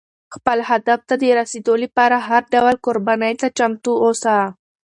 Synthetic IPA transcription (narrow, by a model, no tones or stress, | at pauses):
xpəlhad̪aft̪ad̪əɾased̪olipɑɾaɦaɾɖawalkoɾbɑnəjt̪at͡ʃamt̪uosa